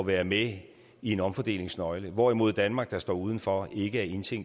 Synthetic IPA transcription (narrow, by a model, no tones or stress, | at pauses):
ʋæːɐme | ie̝nɒ̽mfɒ̽d̥e̝̰ːle̝ŋsnɒ̽ɪləʋɒimo̝ð̞̰ˠd̥ænmɑ̈ːɡ̥̚d̥ɑ̈sd̥ɒ̰ːuːð̞ˠn̩fɒe̝ɡ̥əæɐe̝nt͡sʰeŋ̰